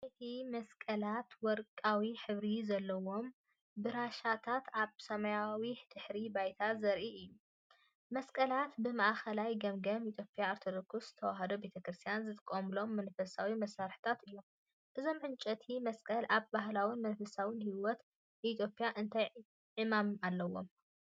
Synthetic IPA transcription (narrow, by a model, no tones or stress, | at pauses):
t̪ʰimɐskʼɐlat̪wɔɾkʼawiħɨβɾizɐlːɐwo̞m | bɨɾaʃat̪ʰat̪aβsɐmɐjawid̪̥ɨħɾibajt̪ʰazɐɾʔiɨjːu | mɐskʼɐlat̪bɨmaʔaxɐlajɡɐmɡɐmit̪ʰjo̞pʼijaːɾt̪ʰod̪okʰust̪ʰɐwaɦɐd̪obe̞t̪ʰɐkɾɨst̪ʰijanzɨt̪ʰʼɨkʼomɨlo̞mːɐnfɐsawimɐsaɾħɨ̥t̪ʰat̪ɨjːo̞m | ʔɨzo̞mʕɨnt͡ʃʼɐt̪ʰimɐskʼɐlaβbaɦlawinmɐnfɐsawɨnhiwɔt̪ | ʔit̪ʰjo̞pʼjaʔɨnt̪ʰaj | ʕɨmamalːɐwo̞̰m